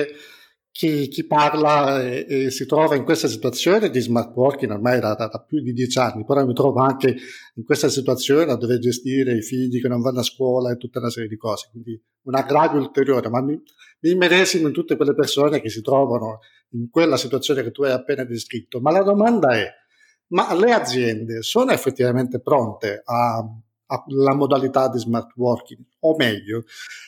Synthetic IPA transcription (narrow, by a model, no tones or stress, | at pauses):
k̟ʰik̟ipːarlaɛsit̪ɾɔːvaiŋkwest̪asit̪uwat̪sːjoːned̪izmart̪wɔrkiŋormajd̪ad̪ad̪apːjud̪id̪jɛt͡ʃanːipeɾɔmit̪ɾɔːvoaŋkeiŋkwest̪asit̪uat̪sːjoːnead̪ːoverd͡ʒest̪iːɾeifiʎːikenːoɱvanːaskwɔːlaet̪ːut̪ːaunasɛːɾjed̪ikɔːze̥kwind̪i | unaɡɾaːvjoult̪eɾjoːɾemami | miːmːeɾɛzimoint̪ut̪ːekwelːepersoːnek̟esːit̪ɾɔːvano | iŋkwelːasit̪wat̪sːjoːneket̪ːuajapːɛːnad̪eskɾit̪ːomalad̪omand̪aɛ | malead̪zjɛnd̪esoːnoefːet̪ːivament̪epɾont̪eaː | lamod̪alit̪ad̪ːizmart̪wɔrkiŋ | omɛʎːo